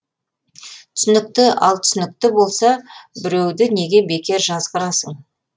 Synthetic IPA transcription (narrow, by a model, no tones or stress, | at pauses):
t̪ʰʏ̥sɪnɪk̚t̪ɪɑ̰lˠt̪ʰʏ̥sɪnɪk̚t̪ɪbo̞lˠsɑbɪɾe̞wd̪ɪne̞ɡʲe̞be̞kʲe̞ɾʒɑzʁəɾɑsəɴ